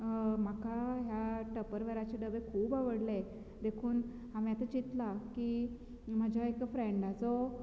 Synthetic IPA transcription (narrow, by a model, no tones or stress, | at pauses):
m̤akaɦjaʈəpəɾʋeɾat͡ɕeɖəʋekʰuːbaʋəɽle | d̪ekʰuːn | ɦamiat̪at͡ɕit̪laki | m̤əd͡ʑʱaekfɾeɳɖad͡zɔ